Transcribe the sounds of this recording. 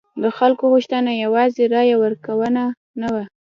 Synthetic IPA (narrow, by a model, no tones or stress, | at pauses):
d̪əxalkoɣuʃt̪ənajawɑzeɾɑjawəɾkawəna | nawa